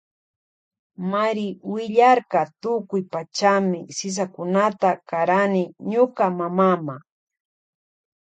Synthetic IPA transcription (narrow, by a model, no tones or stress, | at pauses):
maɾɪwɪʎaɾkɑt̪ʊkʊjpat͡ʃamɪsɪs̬akʊnat̪akaɾanɪɲʊkamamama